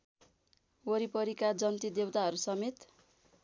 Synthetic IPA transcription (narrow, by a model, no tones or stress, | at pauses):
woɾipʌɾikad͡zʌnt̪id̪ewt̪aɦʌɾusʌmet̪